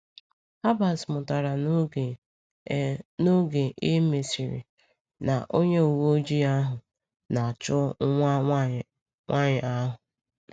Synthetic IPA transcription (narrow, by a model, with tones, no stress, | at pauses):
ha˦ba˨smʊ˨ta˨ɾa˨˦˨ | no˦ɡe˨ʔe˦me˨si˨ɾḭ˨ | na˨ʔo˦ɲe˦u˨wo˦d͡ʒi˦a˦ɦʊ˨ | na˨a˨t͡ʃʊ˦ŋʷ˦ | ŋʷʔa˦ɲɪ˨a˦ɦʊ˨